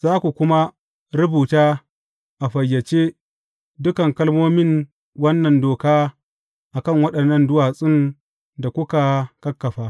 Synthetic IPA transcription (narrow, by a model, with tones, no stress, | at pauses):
z̥aː˦kʷu˨kʷʊ˦ma˦ | ɾʊ˦buː˨taː˦ | ʔa˨ɸɐ˨jːɐ˨t͡ʃeː˦ | dʊ˦kɐ˨ŋkɐ˦lmoː˦mɪ˦n | wɐ˦nːɐ˨ndoː˨kaː˦ | ʔa˨kɐ˦˨ŋwɐ˦ɗɐ˨nːɐ˦˨ndʊ˦waː˨sʼɪ˦n | da˨kʷʊ˦ka˨kɐ˦kːɐ˨ɸaː˦